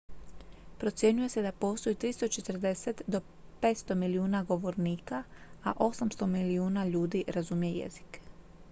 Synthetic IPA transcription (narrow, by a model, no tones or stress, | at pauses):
pɾo̞t̪sje̞ɲuje̞sed̪apo̞ːst̪o̞jit̪ɾist̪o̞t͡ʃe̞t̪r̩d̪e̞set̪d̪o̞ | peːt̪st̪o̞miliuːnaɡo̞ʋo̞ɾniːkaaʔo̞samst̪o̞miliuːnaʎuːd̪iɾazumije̞jḛzi̥k